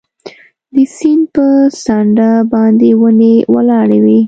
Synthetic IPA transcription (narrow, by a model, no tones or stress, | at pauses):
d̪əsinpəsɑɳɖabɑnd̪ewənewalɑɽawi